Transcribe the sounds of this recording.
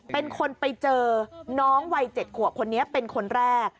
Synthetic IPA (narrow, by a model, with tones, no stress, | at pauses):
pe˧nkʰo˧npa˧jt͡ɕɤː˧nɔː˦˥ŋwa˧jt͡ɕe˨˩t̪̚kʰu˨˩əkʰo˧nːi˦˥ɐpe˧nkʰo˧nɾɛː˥˩k̚